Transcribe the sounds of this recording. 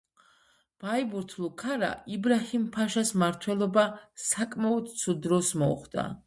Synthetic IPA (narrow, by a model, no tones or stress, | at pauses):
b̥aibuɾt̪ʰlˠukʰaɾa̰ibɾahimpʰaʃasmaɾt̪ʰwɛlˠɔbasakʼmaɔd̪t̪sʰud̪ɾɔsmɔṵχd̪a̰